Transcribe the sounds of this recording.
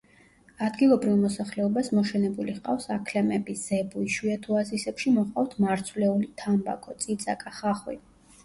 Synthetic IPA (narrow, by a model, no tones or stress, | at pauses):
ad̪ɡilˠɔbɾivmɔsaχlɛɔbasmɔʃɛnɛbuliqʼa̰vsakʰlɛmɛbiz̥ɛbuiʃwiɛt̪ʰuazisɛpʃimɔʁqʼaft̪ʰmaɾt̪sʰvlɛulit̪ʰamba̰kʰɔt̪sʼit̪sʼakʼaχaχwḭ